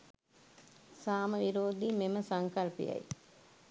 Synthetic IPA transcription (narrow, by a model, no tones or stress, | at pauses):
saːmɐʋiɾoːd̪imeməsɐŋkɐlpḭjɐ̰j